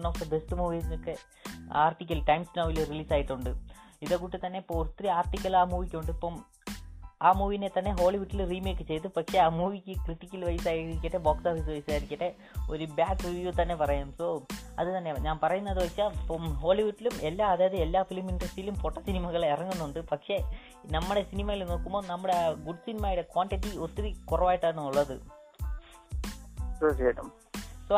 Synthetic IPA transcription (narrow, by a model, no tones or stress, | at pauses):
nːɐsɐbesʈɨmuːʋinokːe | aːrʈikʲːɐlʈɐjmsnɐːʋiluriliːsaːjiʈːuɳɖɨiðokːuːʈːit̪ɐnːe̞pːoːt̪ːriaːrʈːikʲːɐlaːmuːʋikʲːoɳɖɨipːoːm | aːmuːʋinet̪ɐnːe̞ɦo̞ːliʋuʈːilriːmeːkːɨt͡ɕe̞jt̪ɨpɐkʂe̞aːmuːʋikʲːɨkriʈːikʲːɐlʋɐjsaːjiɾikʲːɐʈːeboːksaːfis̬ɨʋɐjsaːjiɾikʲːɐʈːe̞ | o̞ɾubjaːkːʋiʋjut̪ɐnːe̞pɐrɐjaːmsoːɐ̰ðɨt̪ɐnːe̞ɲaːnpɐrɐjunːɐðɨʋɐt͡ɕːaːlpoɦo̞ːɭiʋuʈːilumelːaːɐðaːjɐðɨelːaːfilɐmːinʈrɐsilumfo̞ːʈːosinimɐɣɐɭirɐŋːunːuɳɖɨpɐkʂe̞ | nɐmːɨɽe̞sinimɐjilumno̞ːkːumbo̞ːnɐmːuɽeɡuɖsinimaːjɽekʋaːɳʈiʈːiot̪ːirikurɐʋaːjiʈːaːɳɨuɭːɐðɨ̰ | tɐt͡ɕejʈːɐm | soː